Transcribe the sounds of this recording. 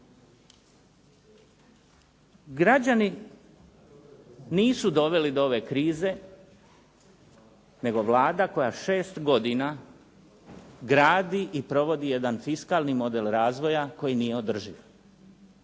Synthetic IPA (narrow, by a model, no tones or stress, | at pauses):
ɡɾad͡ʑani | niːsud̪o̞ʋe̞lid̪oo̞ʋe̞kɾiːze̞ | ne̞ɡo̞ʋlˠaːd̪ako̞jaʃe̞ːst̪ɡo̞d̪ina | ɡɾaːd̪iʔipɾo̞ʋo̞d̪ije̞d̪anfiskaːlˠnimo̞d̪e̞lɾaːzʋo̞jako̞jinijeo̞d̪r̩ʒiʋ